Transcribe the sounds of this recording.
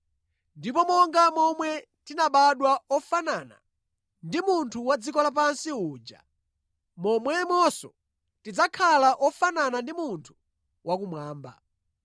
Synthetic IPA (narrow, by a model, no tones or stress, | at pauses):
ndipɔmɔŋɡamɔmwɛ | tinaɓaɗwaɔfanana̰ | ndimuntʰuwad͡zikɔlap̬ansiuːd͡ʒa̰ | mɔmwɛmɔsɔ̰ | tid͡zakʰalaʔɔfananandimuntʰu̥ | wʔak̬umwaːmba̰